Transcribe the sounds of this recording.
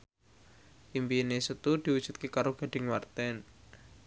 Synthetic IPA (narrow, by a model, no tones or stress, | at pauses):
ʔimbinesut̪ud̪̥i̤wud̥ʒ̥ṳt̪̚kekaɾoɡ̥a̤ɖ̥ɪ̤ŋmart̪ɛn